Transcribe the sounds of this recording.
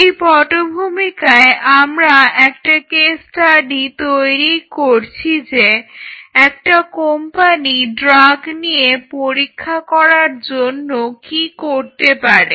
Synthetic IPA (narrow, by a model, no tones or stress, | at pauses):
ejpɔʈobʱumikaeʔamɾaɛkʈakesʈaɖit̪ojɾikoɾt͡ɕʰid͡ʑe | ɛk̚ʈakompaniɖɾaɡnijepoɾikʰːakɔɾaɾd͡ʑonːokikoɾt̪epaɾe